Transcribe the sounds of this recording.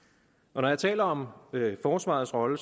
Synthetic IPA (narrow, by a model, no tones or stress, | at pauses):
ʔɒ̽nɒjɑ̈t͡sʰɛ̰ːlɐɒ̽møfɒːsʋɑ̰̈ːð̩ˠsʁɒ̽lə